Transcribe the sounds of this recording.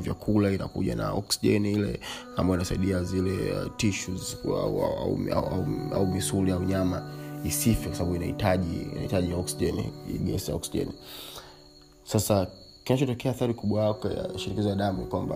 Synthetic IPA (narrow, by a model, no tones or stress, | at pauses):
vja̰kʰulaina̰kṵʄa̰na̰ɔ̰ksiʄɛnilɛ̰ | ambaɔinasaiɗiazilɛ̰tiʃuza̰aa̰a̰a̰ua̰umisuliauɲamaisifikwasaɓaɓuinaḭtaʄḭḭna̰itaʄijaɔksiʄɛnḭḭɡɛ̰sija̰ɔksiʄɛ̰ni | sasa | kinat͡ʃɔtɔkɛaːθaɾikuɓwaaka̰ʃiɾikizajaɗamunikwamba̰